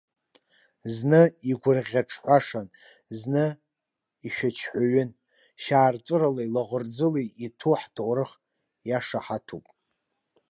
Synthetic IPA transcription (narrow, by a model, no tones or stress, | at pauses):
znɨiɡʷʊrʁʲaʈ͡ʂʰħʷaʂan | znɨ | iʃᶣat͡ʃʰħʷaɥʏn | ʃaːrt͡sʷʼɨralailaʁʷʊrd͡zɨliitʰuħtʰowrɨχ | jaʂaħatʰupʼ